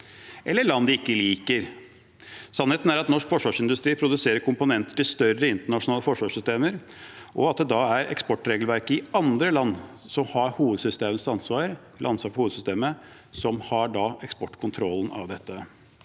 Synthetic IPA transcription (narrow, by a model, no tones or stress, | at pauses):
ʔɛlːəɭɑnːd̪ɪkːəliːkəɾ | sɑnheːt̪n̩æɾɑt̪nɔʂkfɔʂʋɑːʂɪnd̪ʉst̪ɾiːpʰɾʊd̪ʉseːɾəɾkʰʊmpʊnɛnt̪ə̥ʈɪst̪œrəɪnt̪əɳɑʂʊnɑːləfɔʂʋɑːʂsʏst̪eːməɾ | ʔɔɑt̪̚d̪ɛd̪ɑæɾɛ̰kspɔʈːɾeːɡəlʋæɾkəɪɑnd̪ɾəlɑnː | sɔmhɑɾhuːʋəd̪sʏst̪eːmənsɑnsʋɑːɾ | lʔɑnsɑɾfɔhuːəd̪sʏst̪eːmə | sɔmhɑɖɑɛkspɔʈːkʰʊnt̪ʰɾɔlːn̩ɑ̰ʋd̪ɛt̪ːə